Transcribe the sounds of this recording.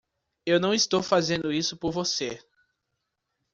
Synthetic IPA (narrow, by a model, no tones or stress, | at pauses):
ewnɐ̃w̃ist̪owfazẽnd̪ʊisʊpoɾvose